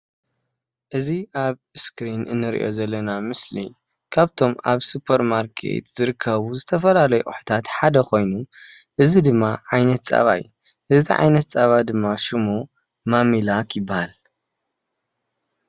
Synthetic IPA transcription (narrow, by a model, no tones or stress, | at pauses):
ʔɨziʔaβskɾinɨ̰nːɨɾḭʔo̞̰zɐlːɐnamɨsli | kʰaβt̪ʰo̞maβsupʰɐɾmaɾkʰḛt̪z̥ɨɾɨkʰːɐβuzɨt̪ʰɐfɐlalɐjuʔʼṵħu̥t̪ʰat̪ħad̪ɐkʰo̞jnu | ʔɨzid̪ɨmːaʕajnɐt̪t͡sʼa̰βa̰jːu | ʔɨziʕa̰jnɐt̪t͡sʼaβad̪ɨmːaʃɨmu | mamilakʰjɪbːahal